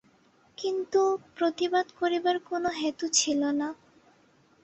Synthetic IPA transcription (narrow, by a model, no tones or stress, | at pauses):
kint̪upɾot̪ibad̪koɾibaɾkonoɦet̪ut͡ɕʰilona